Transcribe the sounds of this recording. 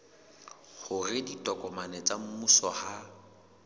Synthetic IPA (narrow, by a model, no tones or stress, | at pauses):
χʊrɪditʼɔkʼɔmanɛt͡sʼam̩musɔha